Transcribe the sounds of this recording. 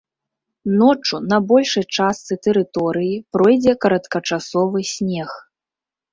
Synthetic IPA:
nɔt͡ʂunɐbɔlʲʂɐjt͡ʂast̪sɨt̪ɛɾɨt̪ɔɾɨjipɾɔjd͡zʲɛkɐɾɐt̪kɐt͡ʂasɔvɨsʲnʲɛx

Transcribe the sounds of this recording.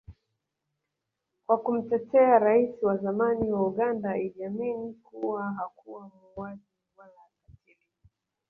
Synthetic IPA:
kwakum̩tɛtɛaɾaisiwazamaniwauɠandaɛlaminikuwaɦakuwamuwaziwalaːkatili

